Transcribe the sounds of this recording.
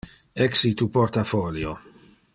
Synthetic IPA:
ɛksit̪uport̪afɔljo

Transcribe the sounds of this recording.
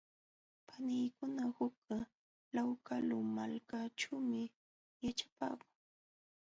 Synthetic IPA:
pʰanɪjkʊnahʊka | lawkalʊmalkaʈ͡ʂaːmɪ | jat͡ʃḁpa̰ːkʊ̥ŋ

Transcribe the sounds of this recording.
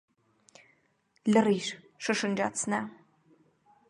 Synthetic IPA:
ɮɨriːʃ | ʂɨʂɨnd͡ʒa̰ːt͡sʰnaː

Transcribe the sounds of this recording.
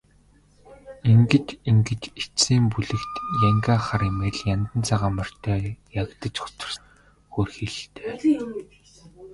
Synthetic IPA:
iŋɡɘ̆t͡ɕiŋɡɘ̆t͡ɕet͡siːmpuɮɘ̆kt̪jæŋɡaːχaremeːɮjant̪ə̆nt͡sʰaʁaːmə̆r̥t̪ʰœːjaɣt̪ə̆t͡ɕχʊ̥t͡sə̆r | xoːrxiɮɬt̪eː

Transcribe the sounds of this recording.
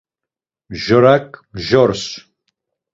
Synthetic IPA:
mʒɔɾakʼmʒɔɾs

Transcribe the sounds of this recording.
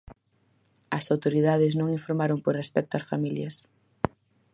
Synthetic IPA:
ɐsawt̪oɾiðaðɪsnõŋiɱfoɾmaɾomporespɛk̚t̪ʊɐsfamiljɐs

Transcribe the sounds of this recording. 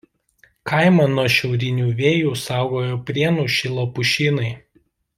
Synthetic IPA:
kɑˑɪmɐnuɔʃʲɛʊɾʲɪnʲuːʋʲeːjuːsɑˑʊɡoːjoːpʲɾʲiɛnuːʃʲɪlˠɐpʊʃʲiːnɐɪ

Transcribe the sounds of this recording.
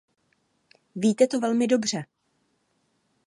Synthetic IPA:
viːt̪ɛt̪o̞vɛlmɪdo̞br̝ɛ

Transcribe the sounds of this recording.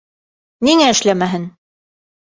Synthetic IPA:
niŋæɘ̆ʃlæmæɦɘn

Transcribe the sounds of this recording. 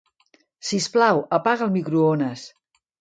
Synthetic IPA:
sisplawəpaɣəlˠmikɾuonəs

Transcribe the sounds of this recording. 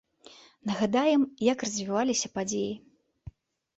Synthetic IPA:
nɐɣad̪ajɛmjɐkrɐzʲvʲivalʲisʲɐpad͡zʲeji

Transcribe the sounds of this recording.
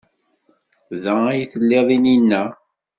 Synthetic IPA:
ðææjθəlːeðˤininːæ

